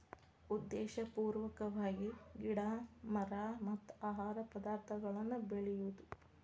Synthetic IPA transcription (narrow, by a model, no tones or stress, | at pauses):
ud̪ːɛːʃɐpuːɾʋɐkɐʋaːɡiɡiɽamɐɾaːmɐt̪ːaːɦaːɾɐpɐd̪aːɾt̪ʰɐɡɐɭɐnːubeɭɛjud̪u